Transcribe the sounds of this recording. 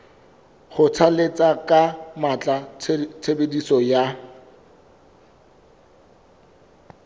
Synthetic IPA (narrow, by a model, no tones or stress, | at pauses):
χʊt͡sʰalet͡sʼakʼamat͡ɬʼat͡sʰebedisɔja